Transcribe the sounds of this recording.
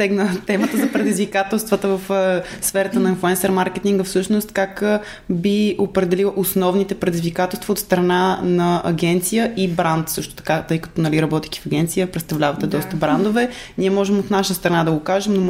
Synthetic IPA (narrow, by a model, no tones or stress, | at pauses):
ɛɡnət̪ɛmət̪əzɐpɾɛd̪izvikat̪ɛlˠst̪vət̪əvəfsfɛɾət̪ənɐinflˠuɛnsɛɾmaɾkɛt̪iŋɡəfsɤʃnʊst̪kak | biopɾɛd̪ɛlilˠʔosnɔvnit̪ɛpɾɛd̪izvikat̪ɛlˠst̪vəot̪st̪ɾɐnanɐɐɡɛnt̪sijəibɾant̪sɤʃt̪ʊ̥t̪ɐ̥kat̪ɤjkɐ̥t̪ɔnɐliɾɐbɔt̪ik̪ʲi̥fɐɡɛnt̪sijəpɾɛt̪st̪ɐvlʲavɐt̪ɛd̪ɔst̪əbɾand̪ovɛniɛmɔʒɛmot̪naʃəst̪ɾɐnad̪ɐɡokaʒɛmno